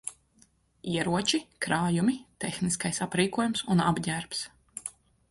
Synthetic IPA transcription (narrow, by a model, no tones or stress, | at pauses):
iɛɾuɔt͡ʃikɾaːjumit̪exniskajsapɾiːkuɔjumsuna̰bɲæːɾps